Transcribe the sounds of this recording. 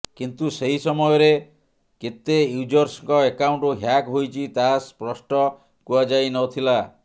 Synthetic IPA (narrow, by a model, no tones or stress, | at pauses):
kint̪useɦisɔmɔjɔɾe | ket̪ejud͡ʒɔɾsŋkɔekawɳʈoɦjakɦojt͡ʃʰit̪aspɾɔsʈɔ | kuad͡ʒajnɔt̪ʰila